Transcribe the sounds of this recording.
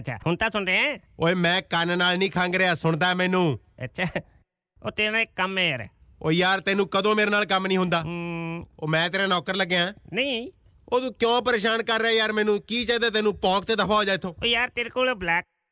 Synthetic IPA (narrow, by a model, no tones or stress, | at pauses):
tːt͡ʃʰa̰ːhʊnt̪aːsʊɳɾeɛ̃ːoːeːmɛ̃ːkənnaːlnĩːkʰãːŋɡɾeːaːsʊɳ̃d̪aːɛmɛ̃ːnũːə̰tːʃʰaː | oːt̪eːɾnãːɪkːəmɛ̃ːjaːɾɛ̰ː | oːjaːɾt̪eːnũːkəd̪õːmeːɾeːnaːlkəmnĩːɦʊnd̪aː | o̰ːmɛ̃ːt̪eːɾãːnɔːkəɾləɡːeãːnəĩː | oːt̪uːkjõːpəɾeːʃaːnkəɾːɛːjaːɾmɛ̃ːnũːkiːt͡ʃaːd̪eːt̪eːnũːpɔ̃ːk̚t̪eːd̪əpʰaːɦoːd͡ʒaːɪt̪ʰːoːoːjaːɾt̪eːɾkoːlːblɛːk̚